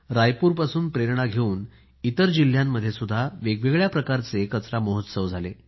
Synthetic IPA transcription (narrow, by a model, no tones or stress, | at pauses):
ɾajpuːɾpasuːnpɾeɾɳaɡʱeuːn | it̪əɾd͡ʑil̤jamːəd̪ʱjesud̪ʱːaʋeɡʋeɡɭjapɾəkaɾt͡sekət͡sɾamoɦot̪səʋd͡zʱalḛ